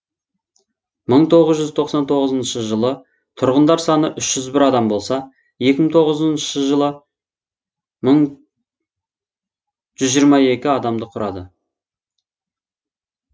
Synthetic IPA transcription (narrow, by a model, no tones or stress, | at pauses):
məɴt̪ʰo̞ʁəzʒʏzt̪ʰo̞qsɑnt̪ʰo̞ʁəzənʃəʒəlˠə | t̪ʰʊɾʁənd̪ɑɾsɑnəʔʏʃʒ̥ʏzbɪɾɑd̪ɑmbo̞lˠsɑ | je̞kʲɪməŋt̪ʰo̞ʁəzənʃəʒəlˠə | məɴ | ʒ̥ʏzʒijɾmɑe̞kʲɪɑd̪ɑmd̪əqʰʊɾʔɑ̰d̪ə